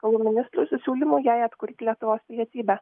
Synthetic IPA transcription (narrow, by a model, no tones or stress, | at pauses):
kɐlˠuːmʲɪnʲɪst̪ɾʊːsʲʊsʲuːlʲɪmuːjæɪɐt̪kʊɾʲt̪ʲɪlʲiɛt̪ʊʋoːspʲɪlʲiɛiːbʲɛ